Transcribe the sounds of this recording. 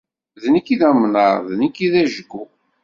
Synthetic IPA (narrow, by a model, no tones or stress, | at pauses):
ðnəkiðæmnəɾðnikːiðæʒəɡːu